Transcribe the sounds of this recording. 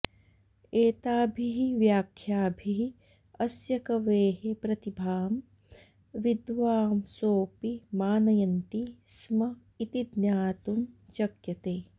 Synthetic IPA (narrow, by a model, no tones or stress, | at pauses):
eːt̪aːbʱiɦiʋjaːkʰjaːbʱiɦi | ɐsjɐkɐʋeːɦepɾɐt̪ibʱaːm | ʋid̪ʋaːmsoːpimaːnɐjɐnt̪ismɐ | it̪id̪njaːt̪umt͡ʃɐkjɐt̪eː